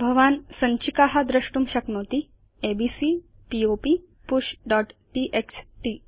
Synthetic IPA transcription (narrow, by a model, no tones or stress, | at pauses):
bʱɐʋansəɲt͡ɕikaɦad̪ɾəɕʈumɕɐknot̪i | ebisi | piopi | puɕɖɔʈʈiʔeksʈi